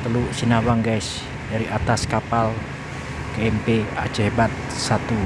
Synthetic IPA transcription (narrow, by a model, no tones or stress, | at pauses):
t̪əluʔsinahwaŋɡɛs | daɾiʔat̪askapal | keɛmpeḁd͡ʒɛɦbat̪̚sat̪u